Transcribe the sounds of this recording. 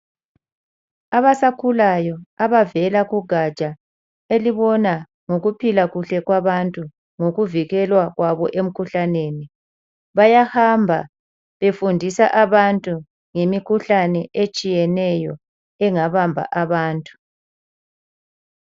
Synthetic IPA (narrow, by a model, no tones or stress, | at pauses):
aβasakʰulajɔaβavɛlaɣuɡʱat͡ʃʼa | eliβɔna | ŋoɣupʰilaɣuɬɛɣwaβantʼu | ŋoɣuviɣɛlwaɣwaβɔ̰ʔem̩kʰuɬaneːni | βajahambʱa̰ | βefundʱisaʔaβantʼu | ŋemikʰuɬanɛʔet͡ʃʼijɛnɛjɔ | ɛŋaβambʱa̰ʔaβaːntʼu̥